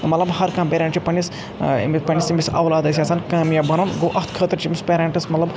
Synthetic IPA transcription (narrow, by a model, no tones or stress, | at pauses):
mɐt̪lɐbhɐɾkãːmpʲeːɾʲẽɳʈt͡ʃipɐnːis | mipɐnʲːisimisɐ̰wlaːd̪ɐsiaːsɐːnkaːmjabɐnɐnɡoːʔɐt̪ʰkʰəːt̪ɐɾt͡ʃʰimʲispʲeːɾaɳʈismɐt̪lɐb